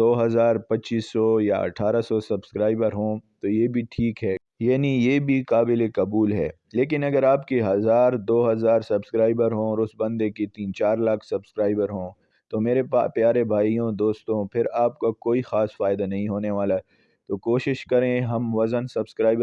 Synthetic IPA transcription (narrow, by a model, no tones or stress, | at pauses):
d̪oːɦɐzaːɾpɐtːt͡ʃiːsːɔjaɐ̰ʈʰaːɾasɔsɐbskɾaːɪbəɾɦõːt̪ojeːbʱiʈʰiːkɦɛː | jaːnijeːbʱikaːbɪlekɐbuːlɦɛ̰ː | leːk̬ɪnɐɡəɾaːpkeɦɐzaːɾd̪oːɦɐzaːɾsɐbskɾaːɪbəɾɦõɔːɾʊsbɐ̃nd̪ekit̪iːnt͡ʃaːɾlaːkʰsɐbskɾaːɪbəɾɦõː | t̪omeːɾepapjaːɾebʱaːijõd̪oːst̪õpʰɪɾaːp̚kakoːixaːsfaːɪd̪anɐɦĩɦoːneʋaːla | t̪oːkoːʃɪʃkɐɾẽɦɐmʋɐzənsɐbskɾaːɪbə